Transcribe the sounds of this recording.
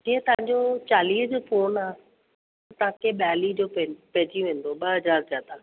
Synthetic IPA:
d͡ʑiːɦt̪ɐʋ̤ãːɲd͡ʑot͡ɕaːliːɦd͡ʑoːfoːnaː | t̪ɐɦãkʰeɓjaːlid͡ʑoːppɛ̃ːd͡ʑiʋẽːn̆d̪oɓəɦɐzaːɾzjaːd̪a

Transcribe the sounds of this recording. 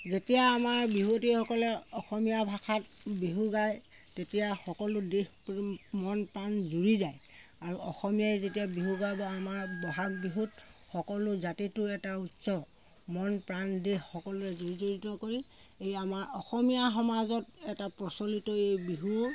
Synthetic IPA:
zetijaːmaɹbiɦotixɔkɔlɛɔxɔmijabʱaxʰat̚biɦuɡaj | tetijaxɔkɔlʊdihpmɔnpɹanzuɹizajaɹuɔxɔmijajzetijabiɦuɡajbɔamaɹbɔɦak̚biɦutxɔkɔlʊzatitʊɛtautsɔ | mɔnpɹandexːɔkɔlʊɹɛzoɹizoɹitɔkoɹi | ejamaɹɔxɔmijaɦɔmazɔtɛtapɹɔsolitɔejbiɦu

